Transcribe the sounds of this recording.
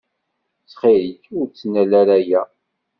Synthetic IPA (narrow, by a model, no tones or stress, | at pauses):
t͡sχiɾikʊɾt͡sːnælæɾæjæ